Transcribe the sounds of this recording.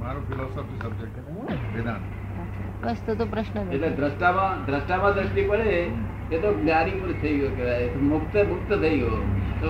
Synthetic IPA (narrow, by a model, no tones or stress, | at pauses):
maɾofʰilɔsɔfisɐb̚d͡ʒek̚ʈe | ʋid̪an | ɐa | bəst̪ot̪opɾəʃnəeʈled̪ɾəsʈamãd̪ɾəsʈamãd̪ɾəsʈipəɽe | et̪onaɾimuɾt̪ʰəiɡokeʋat̪omʊkt̪mʊk̚t̪ət̪ʰəiɡot̪o